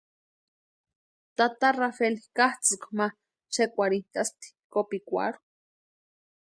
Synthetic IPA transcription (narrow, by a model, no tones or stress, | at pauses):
t̪at̪arafelikaht͡sikma | t͡ʃekʷaɾint̪ast̪i̥kopikʷa̰ɾo